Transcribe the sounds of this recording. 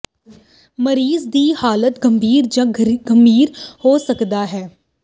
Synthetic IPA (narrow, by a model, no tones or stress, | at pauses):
məɾiːzd̪iːhaːlət̪ɡəmbʱiːɾd͡ʒãːɡəmbʱiːɾhoːsəkd̪aːɦɛː